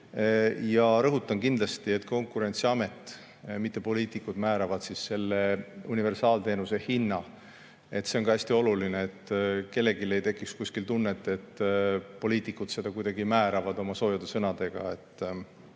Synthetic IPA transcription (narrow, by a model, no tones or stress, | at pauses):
jɑɾɤɦut̪ːˑɑnkind̪lɑst̪ie̞t̪ːˑko̞ŋkˑuɾe̞nʲt̪siɑme̞t̪ːˑ | mit̪ːˑe̞po̞liːt̪ˑikud̪̥mæːɾɑvɑd̪̥sisːe̞lːeunive̞rsɑːlt̪e̞ːnuse̞hinːɑ | e̞t̪ːseo̞nkɑæsʲt̪io̞lulineet̪ːke̞lːe̞ɡile̞jt̪e̞kːˑikskuskilt̪unːet̪ːˑe̞t̪ːpo̞liːt̪ːˑikːˑud̪se̞d̪̥ɑkujd̪̥ɑɡimæːɾɑvɑd̪o̞mɑso̞ːjɑd̪esɤ̞nɑd̪̥e̞ɡ̥ɑ̰e̞t̪ːˑ